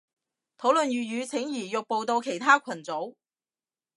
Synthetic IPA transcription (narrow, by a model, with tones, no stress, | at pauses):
t̪ʰo˨˥wlɵ˨nɥyː˨jyː˨˧t͡sʰɪ˨˥ŋjiː˨˩jʊ˨k̚po˨˧wt̪o˧wkʰe˨˩jt̪ʰaː˥kʷʰɐ˨˩nt͡so˨˥w